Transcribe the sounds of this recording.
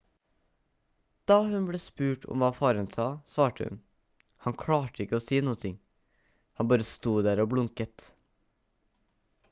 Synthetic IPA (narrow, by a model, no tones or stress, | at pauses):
d̪̥ɑːhʉnbɽeːspʉːʈʰɔ̰mʋɑːfɑːɾənsɑːsʋɑːʈəhʉ̰n | hɑŋkʰɽɑːʈəɪkəoːsiːnuːənt̪ʰɪŋ | hɑnbɑːɾəst̪uːd̪æːɾoːbɽʊŋkət̪